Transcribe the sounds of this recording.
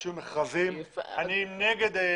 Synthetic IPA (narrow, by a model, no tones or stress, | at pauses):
imeχavimaninɛɡed̪